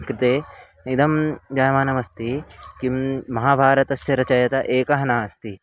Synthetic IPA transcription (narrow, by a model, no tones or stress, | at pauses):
kɾɪt̪eː | id̪ʱɐmd͡ʒaːjmaːnɐmɐst̪ikimɐɦaːbʱaːɾɐt̪ɐsjɐɾɐt͡ʃɐjɐt̪ɐʔeːkɐɦɐnaːɐst̪i